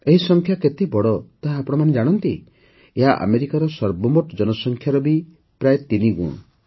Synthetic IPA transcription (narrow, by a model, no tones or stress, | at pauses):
eɦisɔŋkʰjaket̪ebɔɽɔt̪aɦaːpɔɽɔmaned͡ʒaɽ̃ɔnt̪i | eɦaʔa̰meɾikaɾɔsɔɾbɔmoʈd͡ʒɔnɔsɔŋkʰjaɾɔbi | pɾajet̪iniɡṵɽ̃ɔ